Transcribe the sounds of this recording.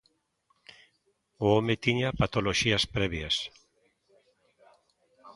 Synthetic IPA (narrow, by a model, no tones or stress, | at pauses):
oomet̪iɲapat̪oloʃiɐspɾɛβjas